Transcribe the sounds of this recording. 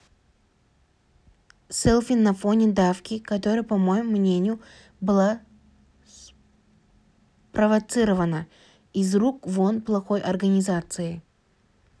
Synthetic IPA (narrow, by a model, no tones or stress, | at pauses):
sɛlˠfʲɪnːɐfo̞nʲɪd̪afkʲɪkɐt̪o̞ɾɨjəpɐmojʊmːnʲenʲɪjʊ | bɨlˠa | s | pɾəvɐt̪sɨɾəvənə | izrukvonplˠɐxo̞jʔɐrɡənʲɪzat̪sɨɪ